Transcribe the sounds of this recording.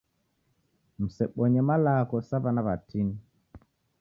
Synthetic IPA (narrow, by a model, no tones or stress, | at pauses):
m̩sɛɓɔɲɛmalaːkɔsabanabatʰin